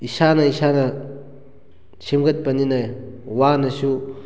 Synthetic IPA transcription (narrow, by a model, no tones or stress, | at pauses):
isanɐisanɐ | t͡ʃʰimɡɐt̚pɐninɐjwanɐsu